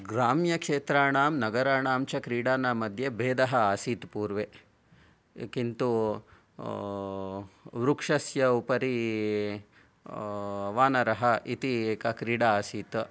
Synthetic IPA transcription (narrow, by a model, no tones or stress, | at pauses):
ɡɾaːmjɐkʂeːt̪ɾaːɳaːmnɐɡɐɾaːɳaːmt͡ʃɐkɾiːɽaːnaːmɐd̪ʱjebeːd̪ɐɦɐaːsiːt̪puːɾʋe | kint̪u | ʋɾukʂɐsjɐupɐɾi | ʋaːnɐɾɐɦɐit̪iːkɐkɾiːɽaaːsiːt̪